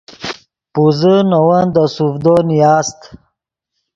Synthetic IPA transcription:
puzənɐwand̪əsufd̪onijaːst̪

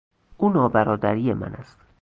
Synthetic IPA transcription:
ʔuːnɒːbæɾɒːd̪æɾiːje̞mæ̰næst̪

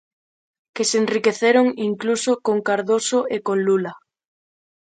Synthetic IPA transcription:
kesenrikeθeɾoŋiŋklusokoŋkaɾðosoekõnlula

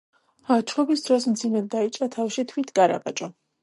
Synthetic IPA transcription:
at͡ʃʰχɔbisd̪ɾɔsmt̪zʰimɛd̪̚ːait͡ʃʼat̪ʰafʃit̪ʰwit̪ʰɡaɾa̰pʼa̰t͡ʃʼɔ

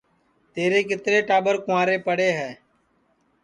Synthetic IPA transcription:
t̪eːɾeːk̬ɪt̪ɾeːʈaːbəɾkʊʋaːɾeːpəɽeːɦɛː

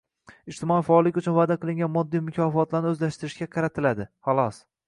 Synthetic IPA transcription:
ɪd͡ʒt̪ɪmɒijfaɒlˠɪkʲʊt͡ʃʰʊnvaːd̪aqɨlˠɪŋɡʲanmɒd̪ːijmʊkʲʰɒfɒt̪laɾnɪɵzlaʃt̪ɪɾɪʃɡʲaqʰɑɾat̪ʰɪlad̪ɪhɑlˠɒs

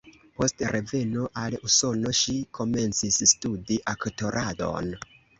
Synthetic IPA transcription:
po̞stɾʔe̞ve̞noʔaluso̞no̞ʃikʰo̞me̞nt͡sisːtudiʔakto̞ɾʔado̞̰n

